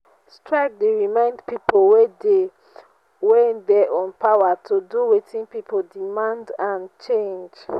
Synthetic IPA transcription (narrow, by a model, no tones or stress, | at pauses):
stɹak̚deɹimãɪ̃ndpipowede | wedɛʔɔ̃npawatʰuduwetĩnpipʰodimãndãnt͡ʃẽnd͡ʒ